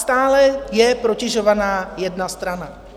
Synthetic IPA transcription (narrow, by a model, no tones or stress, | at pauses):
st̪aːlɛjɛpɾocɪʒo̞vanaːjɛdnast̪ɾana